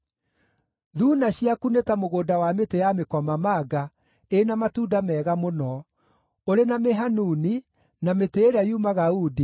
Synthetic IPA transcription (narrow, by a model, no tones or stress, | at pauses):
ðuːnaɕiakunetamoɣoːdawametejamekɔmamaɡa | enamatudamɛːɣamonɔ | oɾenameɦanuni | nameteːɾajumaɣaudi